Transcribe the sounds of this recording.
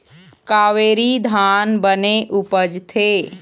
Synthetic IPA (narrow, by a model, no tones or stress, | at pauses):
kaːʋeːɾid̪ʱaːnbəneʔʊpəd͡ʒt̪ʰeː